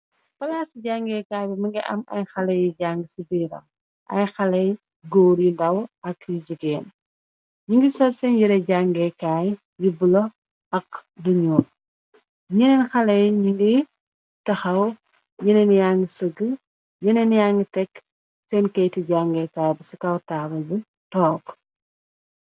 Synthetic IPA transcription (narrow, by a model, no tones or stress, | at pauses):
fɐlaːsiɟaŋɡɛkaːjbimɐŋɡiʔɐ̰mɐ̰jxɐlɐjiɟaŋɡisibiːɾɐ̰m | ʔɐ̰jxɐlɐj | ɡɔːɾjindɐwɐkjiɟiɡɛːn | ɲiŋɡisɔlsɛnjiɾɐɟaŋɡɛkaːj | jibulɔ | ɐkduɲuːr | ɲɛnɛnxɐlɐjɲiŋɡi | tɐxɐw | ɲinɛnjaŋɡisəɡə | ɲɛnɛnjaŋɡitɛk | sɛnkɐjtiɟaŋɡɛkaːjbisikɐwtaːbɐbu | tɔːɡ